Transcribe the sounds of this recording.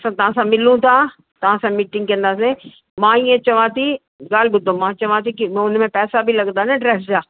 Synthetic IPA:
sãt̪ɐʋ̤ãsãmɪlũt̪ʰa | t̪ɐʋ̤ãsãmiːʈɪ̃ŋɡ̚kɐ̃nd̪aːse | mãiːẽt͡ɕɐʋãt̪ʰi | ɡaːlbʊd̪ʱõmãt͡ɕɐʋãt̪ʰikim̃ʊnmẽpɛːsabʱilɐɠnd̪anẽɖɾɛːfzaː

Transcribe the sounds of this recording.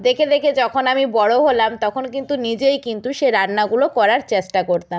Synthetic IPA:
d̪ekʰed̪ekʰed͡ʑɔkʰonamibɔɽoɦolamt̪ɔkʰonkint̪unid͡ʑejkint̪uʃeɾanːaɡulokɔɾaɾt͡ɕesʈakoɾt̪am

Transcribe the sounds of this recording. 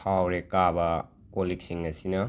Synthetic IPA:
awɾekabɐ | kolik̚siŋɐsinɐ

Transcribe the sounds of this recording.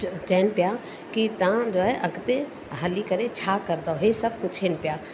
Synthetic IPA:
d͡ʒɛːnpja | kit̪ãd͡ʒoːɛʔɐɡt̪e | ɦɐlikəɾẽt͡ʃʰaːkɐɾd̪aoɦesɐb̚kʊt͡ʃʰeːnpjaː

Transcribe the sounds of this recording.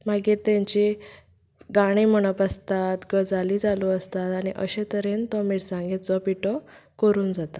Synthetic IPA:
maɡiːɾt̪ãɲt͡ɕi | ɡaɽ̃im̤əɽ̃ɔpəst̪at̪ɡəd͡zaliːd͡zalɔəst̪at̪aɽ̃ḭʔəɕet̪əɾent̪ɔmiːɽsãŋɡit̪t͡sɔpiʈɔkəɾuːnd͡zat̪a

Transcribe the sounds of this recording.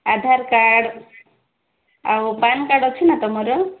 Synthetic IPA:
ad̪ʱaɾkaɽ | awpankaɽɔt͡ʃʰinat̪ɔmɔɾəl

